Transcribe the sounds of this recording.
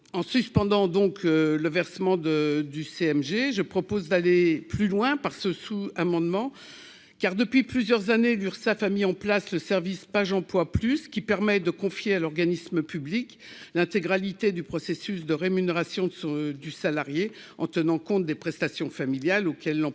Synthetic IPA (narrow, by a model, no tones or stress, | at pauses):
ɑ̃syspɑ̃d̪ɑ̃d̪ɔ̃kləvɛʁsəmɑ̃d̪əd̪yseɛmʒeʒəpχɔpozd̪aleplylwɛ̃paʁsəsuamɑ̃d̪mɑ̃ | kaʁd̪əpɥiplyzjœʁzanelyʁsafamiɑ̃plasləsɛʁvispaʒɑ̃plwaplyskʲipɛʁmɛd̪əkɔ̃fjealɔʁɡanisməpyblik | lɛ̃t̪eɡʁalit̪ed̪ypχɔsesysd̪əʁemyneʁasjɔ̃sd̪ysalaʁje | ɑ̃t̪ənɑ̃kɔ̃t̪̚d̪epχɛst̪asjɔ̃familjalokʲɛlːɑ̃